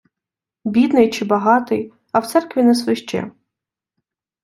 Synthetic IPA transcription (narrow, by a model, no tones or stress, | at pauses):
bʲid̪nɪjt͡ʃɪbɐɦɑt̪ɪj | ɐwt̪sɛrkʋʲinɛsʋɪʃt͡ʃɛ̰